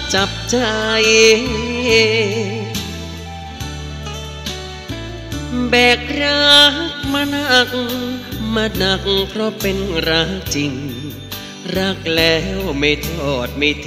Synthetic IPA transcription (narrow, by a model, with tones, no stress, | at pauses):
t͡ɕa˨˧˩p̚t͡ɕa˧˨˩j | bɛː˨˩k̚ɾa˧˥˧k̚ma˧na˧k̚ | ma˧na˧˩k̚ŋkʰɾɔ˦˥pe˧nɾaː˧˥t͡ɕi˧ŋ | ɾa˦˥k̚lɛː˦wma˧˩jt̪ʰɔ˨˩t̪̚ma˧jt̪ʰ